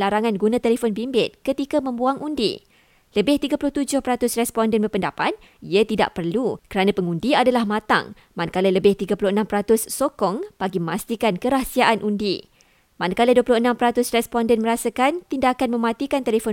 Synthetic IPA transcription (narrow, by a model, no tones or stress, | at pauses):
laɾaŋanɡunãt̪ɛlefɔnbimbɪt̪̚kət̪ikamə̃mbuaŋundḭ | ləbɪht̪iɡapulʊht̪ud͡ʒʊhpəɾat̪ʊsrɛspɔndɛnbərpəndapat̪̚ | iat̪ida̰ʔpərlukəɾanãpəŋundiadalahmãt̪a̰ŋ | manakalələbɪht̪iɡapulʊhənãmpəɾat̪ʊsːokɔŋb̥aɡiəmast̪ikankəɾahsiaʔanʔundḭ | manakaləduəpulʊhənãmpəɾat̪ʊsrɛspɔndɛnməɾasakant̪indakanmə̃mãt̪ikant̪elefɔ